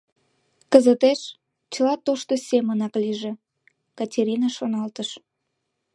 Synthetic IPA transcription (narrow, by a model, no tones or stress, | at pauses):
kəzət̪eʃ | t͡ɕəlɑt̪oʃt̪osʲemənɑkliʒe | kɑtʲeɾʲinɑʃonɑlt̪əʃ